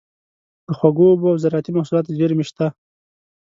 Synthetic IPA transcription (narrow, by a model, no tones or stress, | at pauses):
d̪əxwaɡobawzaɾɑt̪imahsulɑːt̪zeɾmɪʃt̪a